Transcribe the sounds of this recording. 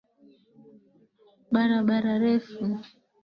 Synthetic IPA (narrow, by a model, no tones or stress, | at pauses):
ɓaɾaɓaɾaɾɛfu